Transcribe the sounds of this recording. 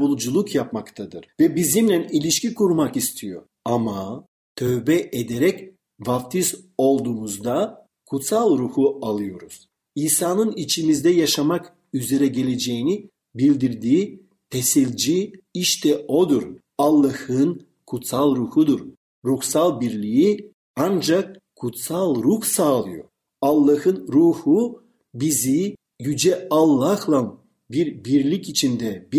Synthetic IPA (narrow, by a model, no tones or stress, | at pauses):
ulˠd͡ʒulˠukjap̚makt̪ʰad̪ɯɾ̥vɛbizimlʲænilʲiʃcikʰuɾmakist̪ʰijo̞̰ | ama | t̪ʰøvbɛʔed̪eɾɛc | vaft̪ʰiso̞lˠd̪uːmuzd̪a | kʰut̪salˠɾuhualˠɯjo̞ɾuz̥ | iːsaːnɯnit͡ʃʰimizd̪ɛjaʃamak | yze̞ɾɛɟe̞lʲe̞d͡ʒejini | bilʲd̪iɾd̪iː | t̪ʰeselʲd͡ʒiiʃt̪ʰɛo̞d̪uɾ | alˠːahɯn | kʰut̪salˠɾuːhud̪uɾ | ɾuxsalˠbiɾlʲiji | and͡ʒak̚ | kʰːut̪salˠɾuxsaːlˠɯjo̰ | alˠːahɯnɾuːhu | bizi | jyd͡ʒɛalˠːahlˠan | biɾbiɾlʲicit͡ʃʰind̪ɛb